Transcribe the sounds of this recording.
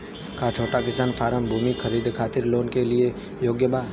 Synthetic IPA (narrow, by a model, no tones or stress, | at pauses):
kat͡ʃʰoːʈakɪsaːnfʰaːɾəmbʱuːmixʰəɾiːd̪kʰaːt̪ɪɾloːnkelie | joːɡjəbaː